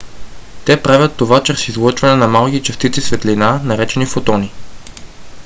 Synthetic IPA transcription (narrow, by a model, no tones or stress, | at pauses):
t̪ɛpɾavʲət̪ːovat͡ʃɾsizlˠɤt͡ʃvɐnɛnɐmalˠkit͡ʃɛst̪it̪sisvɛt̪linanɐɾɛt͡ʃɛnifot̪ɔni